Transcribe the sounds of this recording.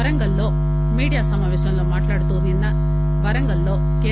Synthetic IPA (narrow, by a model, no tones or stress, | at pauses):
ɐɾɐŋɡɐlːo̞ː | miːɽijaːsɐmaːʋeːʃɐmloːmaːʈlaːɽut̪uninːɐ | ʋɐɾɐŋɡɐlːoː | ke